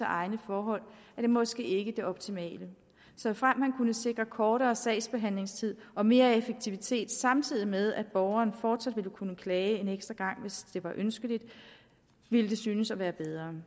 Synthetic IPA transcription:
əʔɑ̈ɪnəfɒːɦɒ̽l̰æd̥e̝mɒ̽sɡ̥e̝̰ːe̝ɡ̥əd̥e̝ɒ̽b̥̚t͡sʰimɛ̰ːlə | sɒ̽fʁam̰mænkʰunəse̝ɡ̥ʁɐkʰɒːɾɐːsɛɪsb̥e̝ɦæn̰le̝ŋst͡sʰið̞̰ˠɒ̽me̝ːɐefəɡ̥̚t͡sʰiʋit͡sʰe̝̰ːd̥sɑ̈mt͡sʰið̰ˠimeð̞ˠæd̥̚b̥ɒʊɐːnfɒːd̥sæd̥ʋiləkʰunəkʰlɛːɪe̝neɡ̥sd̥ʁɐɡ̥ɑ̈ŋ̰ʋe̝sd̥e̝ʋɑ̈ʔønsɡ̥əlid̥ | ʋiləd̥e̝syːnəsɒʋæːɐb̥eð̞ˠʁɐː

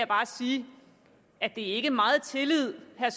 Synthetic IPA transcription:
jab̥ɑ̈ːsiː | æd̥e̝æɐe̝ɡ̥əmɑ̈ːð̩ˠt͡sʰe̝lið̞̰ˠhæɐs

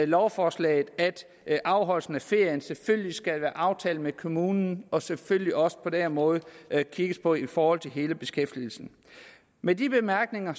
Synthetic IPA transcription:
lɒʊfɒːslɛ̰ɪð̩ˠæd̥ | ʔɑ̈ʊɦɒ̽l̰sn̩æfe̝ɐ̰jənseføllisɡ̥ælʋæːɐʔɑ̈ʊt͡sʰɛːl̩mekʰo̝muːnn̩ɒ̽sefølliɒ̽sə̥pʰɒ̽d̥eɐnmɔ̽ːð̞̩ˠkʰiɡ̥əspʰɒ̽ifɒːhɒ̽l̰t͡sʰe̝lɦe̝ːləb̥e̝sɡ̥efd̥il̩sn̩ | medib̥e̝mæɐɡ̥ne̝ŋɐ

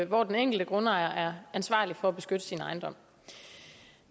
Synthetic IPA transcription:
ʋɒːd̥eneŋ̰ɡ̥l̩d̥əɡ̥ʁɔ̽nəɑ̈ɪɐʔæɐænsʋɑ̰̈ːlifɒ̽æb̥e̝sɡ̥ød̥əsinɑ̈ɪnd̥ɒ̽m̰

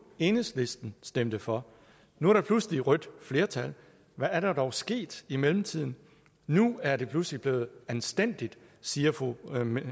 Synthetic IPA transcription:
e̝nəsle̝sd̥n̩sd̥em̰d̥əfɒ̽ | nuæɐɾ̥ɑ̈pʰlusliʁœd̥fle̝ːɐt͡sʰæl | ʋæːɐɾ̥ɑ̈d̥ɒʊsɡ̥e̝̰ːd̥imelm̩t͡sʰið̰ˠn̩ | nuæɐdɾe̝pʰluslib̥le̝ːð̩ˠænsd̥en̰d̥id̥siːɐfo

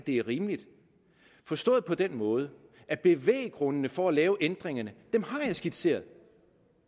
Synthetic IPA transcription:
d̥e̝æɐʁiːmlid̥ | fɒ̽sd̥ɔ̰̽ːð̩ˠpʰɒ̽d̥enmɔ̽ːð̞ˠə | æb̥e̝ʋḛːɪəɡ̥ʁɔ̽nənəfɒ̽ælɛːʊʔend̥ʁeŋɐnəd̥emhɑ̈jɑ̈ɪsɡ̥id̥se̝̰ːɐðˠ

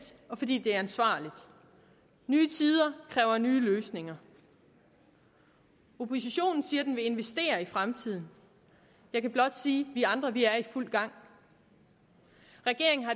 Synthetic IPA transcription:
ɒ̽fɒ̽d̥ḭːd̥e̝æɐænsʋɑ̰̈ːlid̥ | nyːt͡sʰiːð̞ˠɐkʰʁɛːʊɐnyːløːsne̝ŋɐ | o̝pʰo̝siɕo̝̰ːnn̩siːɐd̥enʋe̝e̝nʋesd̥e̝̰ːɐifʁamt͡sʰið̰ˠn̩ | jɑ̈ɪkʰæb̥lɒ̽d̥siːʋiɑ̈nd̥ʁɐʋiæɐiful̰ɡ̥ɑ̈ŋ̰ | ʁɛɡ̥e̝ɐ̰eŋ̩ɦɑ̈

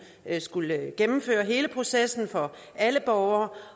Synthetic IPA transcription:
sɡ̥ulɡ̥emm̩fø̰ːɐɦe̝ːləpʰʁo̝sesn̩fɒ̽ | ʔæləb̥ɒʊɐː

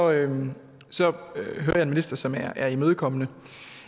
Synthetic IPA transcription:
ɒø | sɒ̽ɦøːɐjɑ̈e̝nminisd̥ɐsɒ̽mææɐimøːð̞ˠkʰɒ̽mənə

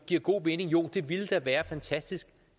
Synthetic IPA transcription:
ɡ̥iɐ̰ɡ̥o̝̰ːʋe̝nɪ̝ŋjo̝̰ːd̥e̝ʋiləd̥æʋæːɐfænt͡sʰæsd̥isɡ̥

